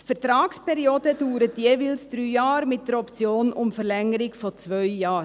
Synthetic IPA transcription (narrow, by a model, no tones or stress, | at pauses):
fəɾtɾɑːkspʰɛɾioːdəd̥uːɾətjeːʋɪlsd̥̪ɾyːjɑːɾmɪt̚d̥əɾɔpt͡sjoːnʊmfəɾlɛŋəɾɪɡfɔt͡sʋœʏjɑːɾ